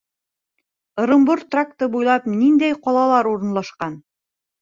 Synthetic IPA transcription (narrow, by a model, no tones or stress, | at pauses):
ɤ̆ɾɤ̆mboɾt̪rak̚t̪ɤbujlˠɑpnind̪æjqɒlˠɑlˠɑɾuɾɤ̆nlˠɑʃqɑn